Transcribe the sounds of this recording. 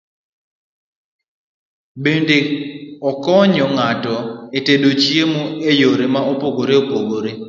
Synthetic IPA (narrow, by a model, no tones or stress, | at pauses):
bendeɔkɔɲɔŋatɔetedot͡ʃiemoejoɾemaopoɡoɾeopoɡoɾe